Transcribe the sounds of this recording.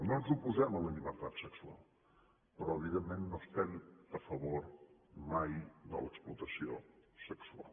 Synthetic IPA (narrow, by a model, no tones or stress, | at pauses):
nõnzupuzɛmələʎiβəɾt̪at̪səksua̰lˠ | pɾɔəβiðenmẽnnõst̪ɛnəfəβoɾmajd̪ə̰lə̰ksplut̪əsio̰səksua̰lˠ